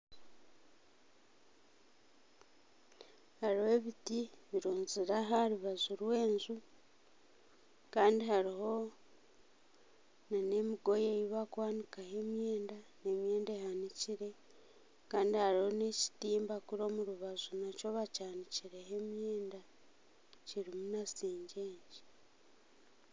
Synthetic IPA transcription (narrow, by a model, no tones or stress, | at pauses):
haɾihe̞βitiβiɾoːnziɾaɦaɾuβazuɾwe̞ːnzu | kaːndihaɾiho̞ | nane̞miɡo̞jejiβakwaːnikahe̞mje̞ːndane̞mje̞ːndehaniciɾe̞ | kaːndihaɾiho̞ne̞ci̥tiːmbakuɾo̞muɾuβazunaco̞βacaːniciɾe̞ɦe̞mjeːnda | ciɾimunasiːɲɟe̞ːɲɟi̥